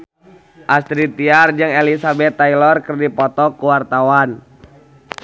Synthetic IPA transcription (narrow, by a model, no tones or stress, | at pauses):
ʔast̪ɾit̪iard͡ʒɨŋelisabɛt̪ːailɔrkərdipɔt̪ɔkuwart̪awan